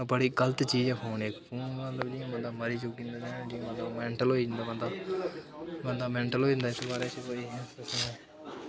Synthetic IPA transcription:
bəɽiːɡələt̪t͡ʃiːd͡ʒɛpʰoːneːkpʰuːnmət̪ləbd͡ʒĩbənd̪aːməɾiːt͡ʃʊkːĩnd̪ad͡ʒãːd͡ʒĩːmət̪ləbmɛ̃ːɳʈəlɦoːid͡ʒnd̪aːbənd̪aː | bənd̪aːmɛ̃ːɳʈəlɦoːid͡ʒə̃nd̪aɪsobaːɾet͡ʃekoːiɦɛ̃əsneː

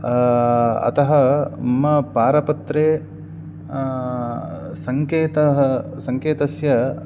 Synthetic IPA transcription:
ɐ̰t̪ɐɦɐmɐpaːɾɐpɐt̪ɾeː | sɐŋkeːt̪ɐɦɐsɐŋkeːt̪ɐsjɐ

